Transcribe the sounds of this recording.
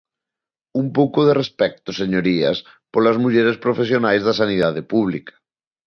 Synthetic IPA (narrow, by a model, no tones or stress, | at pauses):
umpowkoð̞erespɛk̚t̪oseɲoɾiɐ̰s | polazmuʎeɾespɾofesjonajzðas̬aniðað̞epuβ̞likʰḁ